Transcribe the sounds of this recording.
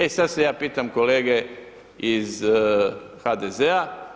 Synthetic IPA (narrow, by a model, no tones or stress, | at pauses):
esad̪sejaːpiːt̪amko̞leːɡe̞ | iz | xad̪ezea